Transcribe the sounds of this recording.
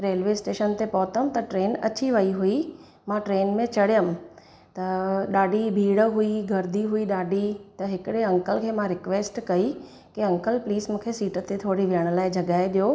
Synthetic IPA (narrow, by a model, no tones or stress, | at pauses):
ɾeːlʋeːsʈeːʃənt̪epɔːt̪əmt̪ɐʈɾeːnɐ̰t͡ɕiʋɐiɦui | mãʈɾeːnmẽt͡ɕɐɽjəm | t̪ɐɗaːɖʱibʱiːɽɦuiɡʱɐɾd̪ʱiɦuiɗaːɖʱit̪ɐɦɪkɪɽeɐ̃ŋkəlkʰeːmãɾɪkʋeːsʈkɐi | kiɐ̃ŋkəlpliːzmũːkʰesiːʈə̆t̪et̪ʰoːɽiʋɪjəɽ̃̆laːɪd͡ʑʱɐɠaːɪɗijoː